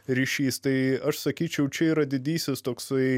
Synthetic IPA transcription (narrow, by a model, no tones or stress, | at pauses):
ɾʲiːʃʲiːst̪ɐɪɐʃsɐkʲiːt͡ʃʲɛʊt͡ʃʲɛiːɾɐd̪ʲɪd̪ʲiːsʲɪst̪oːksɐɪ